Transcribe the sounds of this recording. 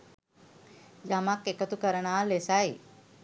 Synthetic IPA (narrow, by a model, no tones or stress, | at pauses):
jamakekət̪ukəɾəɳaːlesaj